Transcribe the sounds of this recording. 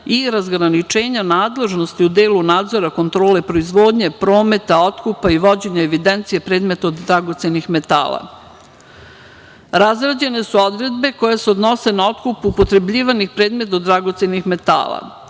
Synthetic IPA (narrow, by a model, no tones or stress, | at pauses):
iɾazɡɾanit͡ʃe̞ːɲanaːd̪le̞ʒno̞st̪iud̪e̞ːlunaːd̪zo̞ɾako̞nt̪ɾo̞ːle̞pɾo̞izʋo̞ːd̪ɲe̞pɾo̞ːme̞t̪ao̞t̪kupaiʋo̞d͡ʑe̞ɲaeʋid̪ent̪sije̞pɾeːd̪me̞t̪aod̪ɾaɡo̞t̪se̞nixme̞t̪a̰ːla̰ | ɾazɾad͡ʑe̞ne̞suo̞d̪ɾe̞d̪be̞ko̞jeseod̪no̞se̞nao̞t̪kupuːpo̞t̪ɾe̞bʎiːʋanixpɾeːd̪me̞t̪od̪ɾaɡo̞t̪se̞nixme̞t̪a̰ːlˠa̰